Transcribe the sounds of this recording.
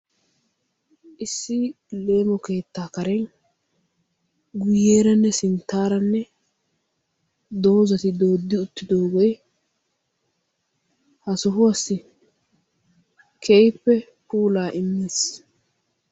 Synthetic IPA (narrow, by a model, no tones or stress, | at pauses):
ʔɪsːɪ | le̞ːmɔke̞ːt̪ːaːkɐɾɛn | ɡʊjeːɾɐnːɛsɪnt̪ːaːɾɐnːɛ | d̪o̞ːzɐt̪ɪd̪o̞ːd̪ːɪʊt̪ːɪd̪o̞ːɡɔj | hɐsɔɦʊwɐsːɪ | kʰejpːɛ | puːlaːʔɪmːeːs